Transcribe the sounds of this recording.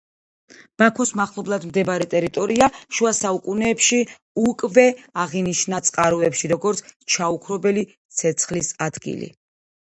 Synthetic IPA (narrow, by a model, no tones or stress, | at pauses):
m̥akʰɔsmaχlˠɔblˠad̪md̪ɛbaɾɛt̪ʼɛɾit̪ʼɔɾiaʃuasaukʼunɛːpʃi | ukʼvɛaʁiniʃnat̪sʼqʼaɾɔɛpʃiɾɔɡɔɾt̪sʰt͡ʃʰaukʰɾɔbɛli | t̪sʰɛt̪sʰχlisad̪̥ɡḭlḭ